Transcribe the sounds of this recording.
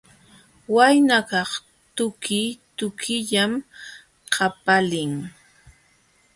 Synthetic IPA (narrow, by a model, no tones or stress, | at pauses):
wajnakɑχ | t̪ʊkɪt̪ʊkʰɪʎam | qʰapalɪŋ